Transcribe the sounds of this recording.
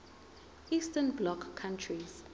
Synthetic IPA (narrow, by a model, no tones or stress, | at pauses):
istənblɔkʰːãntʰɹiz̥